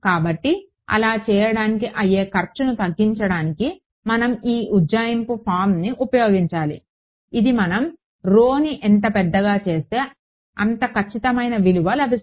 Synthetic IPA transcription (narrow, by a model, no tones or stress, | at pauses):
kaːbɐʈːi | ɐ̰laːt͡ʃɛːjɐɽaːnikiʔɐjeːkɐɾt͡ʃunut̪ɐɡːiɲt͡ʃɐɽaːniki | mɐnɐmiːʔuaːjɐmpupʰaːɾmniʔupɐjo̞ːɡiɲt͡ʃaːlḭ | id̪imɐnɐm | ɾoːniʔɛnt̪ɐpɛd̪ːɐɡaːt͡ʃe̞ːst̪e̞ː | ɐnt̪ɐkɐt͡ʃːit̪ɐmɐjnɐʋiluʋaːlɐbʱi